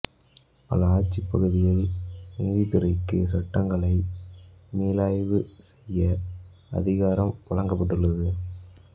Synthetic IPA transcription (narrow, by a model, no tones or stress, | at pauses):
pɐ̰lɐaːt͡ʃːɪpːɐɣɯðɪjɐɭɪŋd̪it̪ːɯɾɐɪkːɯ̰sɐʈːɐŋɡɐɭɐɪ | meːlaːjʋɯsɛjːɐ | ɐ̰ðɪɣaːɾɐmʋɐɭɐŋɡɐpːɐʈːɯɭːɐðɯ